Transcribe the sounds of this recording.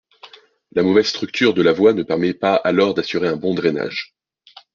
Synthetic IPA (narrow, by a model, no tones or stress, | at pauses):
lamɔvɛzst̪χyk̚t̪yʁd̪əlavwanəpɛʁmɛpaalɔʁd̪asyʁeɛ̃bɔ̃d̪ʁena̰ʒ